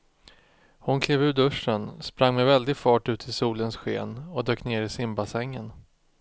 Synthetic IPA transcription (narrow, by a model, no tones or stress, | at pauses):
hʊnkʰleːvʉ̟ːɖɵʂːənspɾaŋmɛvɛld̪ɪɡfɑːʈʉ̟ːt̪ʰɪlsuːlənsɧḛːnɔd̪øːkneːɾɪsɪmbasɛŋːən